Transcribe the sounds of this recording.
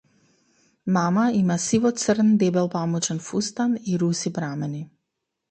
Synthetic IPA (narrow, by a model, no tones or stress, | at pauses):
mamaimasivɔt̪sərnd̪ɛbɛlˠpamut͡ʃɛnfust̪aniɾusipɾamɛni